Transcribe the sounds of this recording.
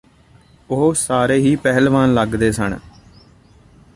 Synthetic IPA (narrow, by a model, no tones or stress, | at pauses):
ʊɦosaːɾeːɦiːpɛɦəlʋãːnləɡd̪eːsə̰n